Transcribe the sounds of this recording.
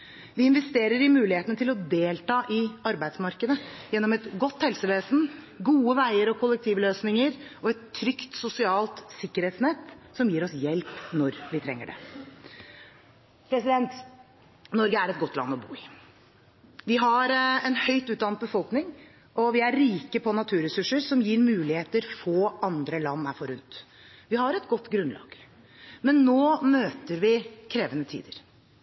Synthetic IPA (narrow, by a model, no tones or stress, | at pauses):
ʋɪɪnʋɛst̪eːɾəɾɪmʉːlɪheːt̪ənət̪ʰɪlɔd̪eːlt̪ɑːʔɪɑɾbæɪd̪smɑɾkəd̪əjɛnːɔmɛt̪ɡɔt̪ːhɛlsəʋeːsn̩ | ɡuːəʋæɪəɾɔkʰʊlːɛk̚t̪ʰiːʋløːsnɪŋəɾʔɔɛt̪ʰːɾʏkt̪sʊsɪɑːlt̪sɪkːəɾheːt̪snɛt̪ːsɔmjiːɾɔsjɛlpnɔɾʋɪt̪ʰɾɛ̰ŋːə̰ɖɛ̰ | pʰɾɛsɪd̪ɛnt̪ | nɔɾɡəæɾɛt̪̚ɡɔt̪ʰːlɑ̰nːɔbṵːɪ | ʋɪɦɑɾɛnhœʏt̪ʉːt̪̚ɑnət̪bəfɔlknɪŋ | ʔɔʋɪæɾɾiːkəpʰɔnɑt̪ʰʉːɾɛsʉʂəɾsɔmjiːɾmʉːlɪheːt̪əɾfoːɑnd̪ɾəlɑnːæfɔɾʉnt̪ | ʋɪhɑɾɛt̪ɡɔt̪ːɡɾʉnlɑ̰ːɡ̥ | mɛnːoːmøːt̪əɾʋɪkʰɾeːʋənət̪ʰḭːd̪əɾ